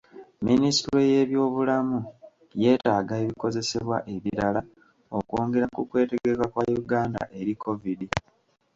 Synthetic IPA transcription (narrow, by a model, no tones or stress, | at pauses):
ministuɾoje̞βjo̞ːβulamu | je̞ːtaːɡaeβiko̞ze̞se̞βwa̰ʔe̞βiɾala | o̞koːŋɡe̞ɾakukwe̞ːte̞ɡe̞kakwajuɡaːnda̰ʔe̞ɾikʰo̞vidi